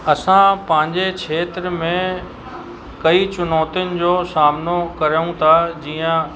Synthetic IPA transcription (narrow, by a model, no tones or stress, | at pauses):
ɐsãpɐ̃ɦɪ̃ɲd͡ʑekʰeːt̪ɾəmẽ | kɐit͡ɕʊnɔːt̪ijʊnɪ̆d͡ʑoːsaːmnokɐɾəjũt̪ʰad͡ʑiːə̃